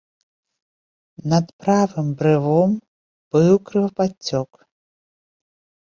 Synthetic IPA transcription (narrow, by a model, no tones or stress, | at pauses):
nɐd̪pɾavɨmbɾɨvɔm | b̥ɨwkɾɨvɐpat͡sʲːɔk